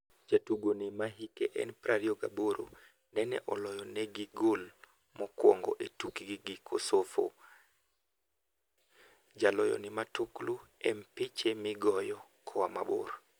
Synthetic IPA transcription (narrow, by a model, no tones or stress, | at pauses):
d͡ʒatuɡonimaɦikɛʔɛ̰npɾaɾiɔɡa̰boɾo̰ | nɛnɛ̰ʔɔlɔjɔnɛɡiɡol | mɔkwɔ̰ŋɡɔ̰ʔetukiɡiɡikʰosofo̰ | d͡ʒalɔjɔ̰nimatukluɛmpit͡ʃemiɡɔjɔkʰɔwamabṵɾ